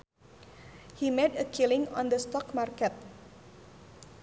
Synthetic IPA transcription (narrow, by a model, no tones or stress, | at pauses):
himedəkʰilɪŋɔ̰̃nd̪əst̪ɔkmarkɛt̪̚